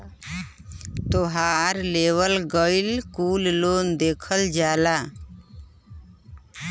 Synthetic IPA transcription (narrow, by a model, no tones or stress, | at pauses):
t̪oɦaɾleːʋəlɡəilkuːlloːnd̪eːkʰəld͡ʒaːlaː